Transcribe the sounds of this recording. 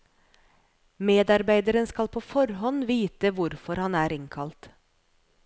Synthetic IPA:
meːd̪ɑɾbæɪd̪əɾənskɑlpʰoːfɔɾɦɔnʋiːt̪əʋʊɾfɔɾhɑnæːɾɪŋkʰɑlt̪

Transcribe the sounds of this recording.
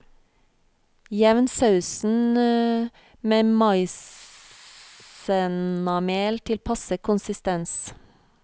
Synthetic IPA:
jɛʋənsɑʉsn̩ | meːmɑɪs | ənɑmeːlt̪ʰɪlpʰɑsəkʰʊnsɪst̪ɛns

